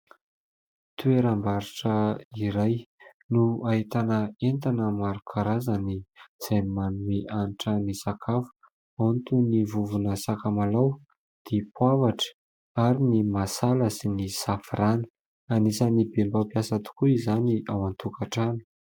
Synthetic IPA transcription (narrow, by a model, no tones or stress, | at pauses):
t̪ueɾambaɾiʈ͡ʂəiɾaj | nuait̪anəent̪anəmaɾukʰaɾazaniz̥ajmanueʔanʈ͡ʂənisakʰafu̥ | ant̪univuvunəsakamalaw | d̪̥epuavaʈ͡ʂə̥ | aɾinimasaləsinisafiranə̥ | anisənibembapiasat̪u̥kuizaniawant̪ukaʈ͡ʂani̥